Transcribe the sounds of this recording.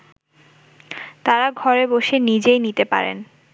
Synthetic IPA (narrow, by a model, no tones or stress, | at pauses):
t̪aɾaɡʱɔɾeboʃenid͡ʑejnit̪epa̰ɾḛn